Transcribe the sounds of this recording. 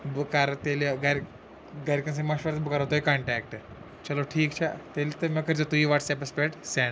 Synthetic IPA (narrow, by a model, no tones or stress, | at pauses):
bukaɾt̪eleɡaɾ | ɡaɾkəns̬ẽməɕʋəɾət̪bukaɾɦot̪oekãɳʈɛk̚ʈ | t͡ɕɐloʈʰiːkt͡ɕʰa̰t̪elit̪əməkəɾd͡ʑat̪uiʋaʈsɛp̬əspeʈsɛn